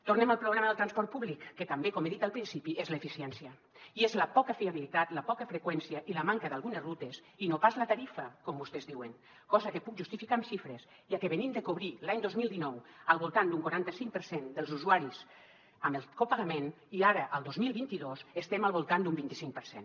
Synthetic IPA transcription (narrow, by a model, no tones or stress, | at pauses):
t̪urneməlˠpɾuɣɾaməðəlˠt̪ɾanspɔɾt̪̚puβlikːet̪ambekomeðit̪alˠpɾinsipiezləefisiɛnsiə | iezləpɔkəfiaβilit̪at̪ləpɔkəfɾekwɛnsiəʔiləmaŋkəðalɣunezrut̪es | inopazlət̪aɾifəkɔmbust̪ɛzdiwəŋ | kɔzəkepuk̚ʒust̪ifikamʃifɾes | jiakeβenimd̪əkuβɾilaɲd̪ozmilˠd̪inɔwəlˠβulˠt̪and̪uŋkwaɾant̪əsiŋk̚pəɾsend̪əlzuzuaɾis | əməlkopaɣamẽn | iaɾəʔəlˠd̪ozmilˠβint̪iðosəst̪ɛmalˠβulˠt̪and̪umbint̪isiŋk̚pəɾsḛn